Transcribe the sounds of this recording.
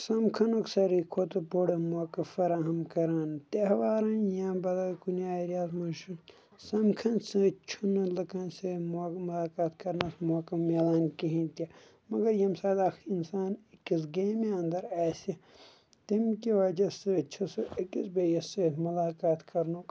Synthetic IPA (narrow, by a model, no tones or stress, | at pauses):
sɐmkʰɐnoksɐɾikʰot̪ɨboɽɐmoːkɐfɐɾaːɦɐmkɐɾaːnt̪eɦɐʋaːɾɐnjãmbɐlɐkunaːɾjaːt̪mɐʃun | sɐmkʰɐnsɨ̃t͡ʃʰunɐlɐkɐ̃nsemomulaːkaːt̪kɐɾnɐsmoːkɐmeːlaːnkiɦĩnt̪ɐ | mɐɡɐɾjɐmsaːd̪aːxɾiinsaːnikis̬ɡeːmeɐnd̪ɐɾaːsʲi | t̪imkiʋɐd͡ʒɐsɐt͡ʃʰɐsoːʔikisbejɐsefmulaːkaːt̪kɐɾnok